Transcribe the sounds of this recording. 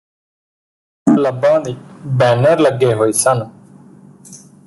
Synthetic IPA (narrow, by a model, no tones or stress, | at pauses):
ləbːãːd̪iːbɛːnəɾləɡeːɦoːiːsən